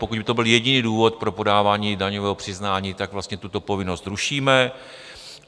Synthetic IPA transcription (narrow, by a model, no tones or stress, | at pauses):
po̞kuɟbɪt̪obɪljɛɟɪniːduːvo̞t̪̚pɾo̞po̞daːvaːɲiːdaɲovɛːɦopr̝̥ɪznaːɲiːt̪aɡvlast̪ɲɛt̪ut̪o̞po̞vɪnost̪ɾuʃiːmɛ